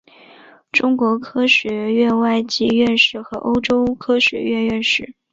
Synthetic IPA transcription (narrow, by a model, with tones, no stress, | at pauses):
ʈ͡ʂʊ˥ŋkwɔ˧˥kʰɤ˥ɕɥɛ˧˥ɥɛ˥˧wa˥˩ɪt͡ɕi˥ɥɛ˥˧nʂɻ̩˥˩xɤ˧˥ʔo˥ʊʈ͡ʂo˥ʊkʰɤ˥ɕɥɛ̰˧˥ɥɛ˥˧nɥɛ˥˧nʂɻ̩˥˩